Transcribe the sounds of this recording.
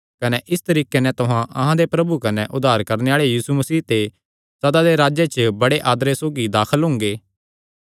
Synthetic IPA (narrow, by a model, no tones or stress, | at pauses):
kɐnɛʔɪst̪ɐɾiːkenɛ̃t̪ʊɦãʔɐɦãd̪epɾɐbukɐnɛʔʊd̪ːaːɾkɐɾneaːɭejiːsumɐsiːɦt̪e | sɐd̪ad̪eɾaːd͡ʒet͡ʃbɐɽeʔaːd̪ɾesoːɡid̪aːkʰəlɦʊ̃ŋɡeː